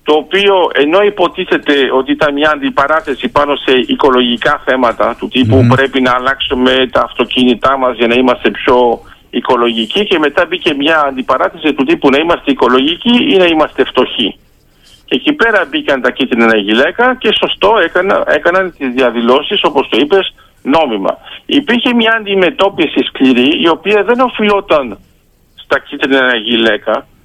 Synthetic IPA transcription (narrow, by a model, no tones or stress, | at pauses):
t̪o̞ːpio̞ʔe̞no̞ipo̞t̪iθe̞t̪e̞o̞t̪iit̪ɐnmɲɐːnd̪ipɐɾɐθe̞sipɐno̞se̞ʔiko̞lo̞ʝikɐθe̞mɐt̪ɐt̪ut̪ipupɾe̞pinɐːlɐksume̞t̪ɐːft̪o̞cinit̪ɐmɐzʝɐnɐimɐst̪e̞pço̞ | iko̞lo̞ʝicice̞me̞t̪ɐbice̞mɲɐːnd̪ipɐɾɐθesit̪ut̪ipunɐimɐst̪eiko̞lo̞ʝiciinɐimɐst̪e̞ft̪o̞çi | cecipe̞ɾɐbikɐnt̪ɐcit̪ɾnɐnɐʝile̞kɐce̞so̞st̪o̞ekɐnɐe̞kɐnɐnt̪izðiɐðilo̞siso̞po̞st̪o̞ipe̞z | no̞mimɐ̰ipiɾçe̞mɲɐːnd̪ime̞t̪o̞pisiskliɾiio̞piɐðe̞no̞filo̞t̪ɐn | st̪ɐcit̪ɾnɐnɐʝile̞kɐ